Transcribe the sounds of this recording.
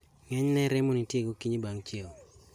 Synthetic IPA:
ŋɛɲnɛɾɛmonitjeɡokiɲibaŋt͡ʃeo

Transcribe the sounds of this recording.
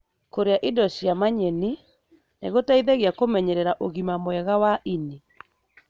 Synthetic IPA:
koɾeaʔidɔɕiamaɲɛni | neɣotaiðeɣeakomɛɲɛɾɛɾaʔoɣimamoɛɣawaʔini

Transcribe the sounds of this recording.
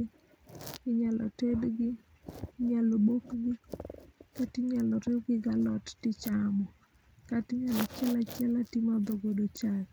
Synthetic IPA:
ɪɲalɔ̰tedɡɪ | ɲalobokɡɪ | katɪɲalɔɾɪwɡɪɡalɔttɪt͡ʃamɔ | katɪɲalɔt͡ʃɛlat͡ʃɛlatimad̪oɡodot͡ʃal

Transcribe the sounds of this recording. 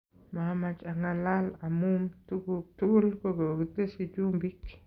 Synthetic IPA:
mamat͡ʃʼaŋalalamumtuɡut̪uɡulkoɡeɡitesid͡ʒumbik

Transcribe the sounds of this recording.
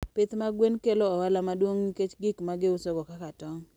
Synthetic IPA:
pɪt̪maɡwenkeloɔwalamadwoŋɲiket͡ʃɡɪkmaɡɪʊsɔɡɔkakatɔŋ

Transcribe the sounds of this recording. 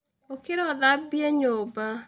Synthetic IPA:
okeɾɔðabiɛɲoːba

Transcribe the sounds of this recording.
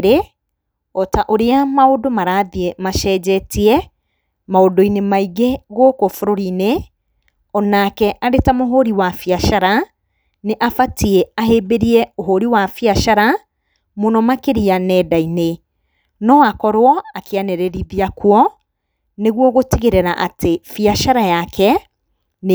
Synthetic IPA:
ɾe | ɔtaʔoɾeamaodomaɾaːðiemaʃɛːd͡ʑɛtiɛ | maodoinemaiɣeɣokofuɾoɾine | ɔnakɛʔaɾetamoɦoɾiwafiaʃaɾa | neʔafatieaɦeːbeɾiɛoɦoɾiwafiaʃaɾa | monɔmakeɾianɛːdaine | nɔakɔɾwɔakʰeanɛɾeɾiðiakwɔ | neɣwɔɣotiɣeɾeɾaʔatefiaʃaɾajakʰɛ | n

